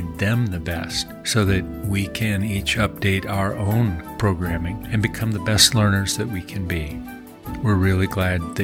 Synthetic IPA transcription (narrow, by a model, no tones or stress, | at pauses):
nðɨ̃mðɨbɛst | soʊðɨt̚wikʰɨ̃nit͡ʃʌp̚d̥eɪɾaʊə˞ʔõʊ̃npʰɹ̥oʊɡɹæ̃mɪ̃ŋɨ̃nbɨkʰʌ̃mðɨbɛstˡlɜ̃˞nə˞zðɨt̚wikʰɨ̃nbi | wɪɹɹɪlˠiɡlæd̪̚ɨ